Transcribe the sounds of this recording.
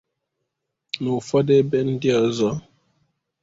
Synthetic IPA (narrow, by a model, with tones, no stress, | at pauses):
nu˨fɔ˦de˦bɛ˦n̩˦djɔ˦˨zɔ˨˦